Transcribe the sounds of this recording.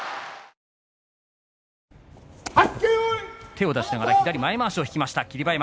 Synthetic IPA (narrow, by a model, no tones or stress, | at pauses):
akeot̪e̞o̞d̪aɕi̥naɡaɾakʲid̪aɾʲimaemaːɕio̞çi̥kʲimaɕi̥t̪akʲiɾʲibaem